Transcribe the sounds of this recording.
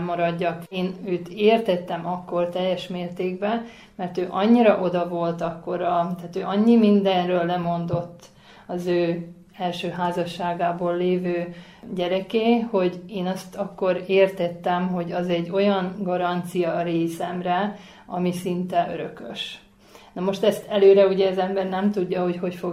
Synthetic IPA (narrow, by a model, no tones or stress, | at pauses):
mːɒɾɒɟːɒkeːnøːt̪eːrt̪ɛt̪ːɛmɒkːo̞rt̪ɛjːɛʃmeːrt̪eːɡbɛ | mɛrt̪øːʔɒɲːiɾɒʔo̞d̪ɒvo̞lt̪ɒkːo̞ɾɒt̪aːt̪øːʔɒɲːimind̪ɛnrøːlːɛmo̞nd̪o̞t̪ː | ɒzøː | ɛlʃøːɦaːzɒʃːaːɡaːboːlːeːvøː | ɟɛɾɛkeːho̞ɟeːnɒst̪ɒkːo̞ɾeːrt̪ɛt̪ːɛmɦo̞ɟɒzɛɟːo̞jɒŋɡɒɾɒnt̪sijɒɾeːsɛmrɛ | ɒmisint̪ɛʔøɾøkøʃ | nɒmo̞ʃt̪ɛst̪ʰɛløːɾɛuɟɛːzɛmbɛrnɛmt̪uɟːɒho̞cho̞cfo